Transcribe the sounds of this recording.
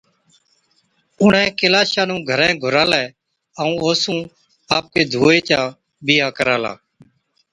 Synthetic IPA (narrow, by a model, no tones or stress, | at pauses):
ʊnẽːkelaːʃãːnũːɡʱəɾɛ̃ːɡʱʊɾaːlɛː | əũːoːsũː | aːp̚keːd̪ʱuːeːt̪jaː | biːaːkəɾaːla̰ː